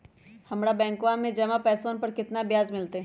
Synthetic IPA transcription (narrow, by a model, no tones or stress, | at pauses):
hɐmɽabɛ̃ːŋkʋamẽd͡ʒɐmapɛːsoːnpɐɾkɪt̪nabjaːzmɪlt̪eɦ